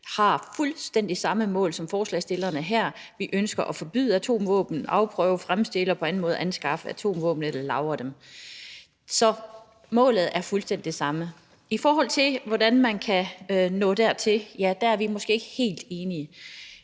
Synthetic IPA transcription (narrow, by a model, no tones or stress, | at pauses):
hɑ̈fulsd̥en̰d̥isɑ̈məmɔ̰ːlsɒ̽mfɒːslɛ̰ɪsd̥e̝lɐnəɦæɐ̰ʋiʔønsɡ̥ɐʔɒfɒ̽b̥y̰ðˠæt͡sʰo̝̰ːmʋɔ̰̽ːb̥n̩ɑ̈ʊpʰʁœʊfʁamsd̥e̝ləɒpʰɒ̽æn̩mɔ̽ːð̞̩ˠænsɡ̥ɑ̈fəæt͡sʰo̝̰ːmʋɔ̰̽ːb̥n̩elɐlɑ̈ʊɐd̥em | sɒ̽ | mɔ̰̽ːlð̞̩ˠæɐfulsd̥en̰d̥id̥esɑ̈mə | ifɒːɦɒ̽l̰t͡sʰe̝lʋɒdænmænkʰæønɔ̰̽ːd̥æɐ̰t͡sʰe̝jæd̥ææɐʋimɒsɡ̥e̝̰ːeɡ̥əhe̝̰ːld̥e̝ːniə